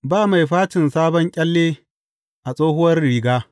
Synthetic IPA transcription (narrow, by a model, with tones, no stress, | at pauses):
baː˦˨ma˨jɸaː˦t͡ʃɪ˨nsaː˦bɔ˦ŋkʲʼɐ˦lːeː˦ | ʔa˨sʼoː˦hʊ˦wɐ˦rɽiː˨ɡaː˦